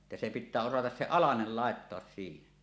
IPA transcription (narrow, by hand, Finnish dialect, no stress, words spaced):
etːæ se pitːæː osɑtɑs se ɑlɑnel lɑˑetːoɑs siːhen